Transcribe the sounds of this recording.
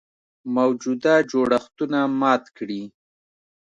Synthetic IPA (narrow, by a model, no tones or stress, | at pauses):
mawd͡ʒud̪ad͡ʒoɽaxt̪unamɑt̪kɽi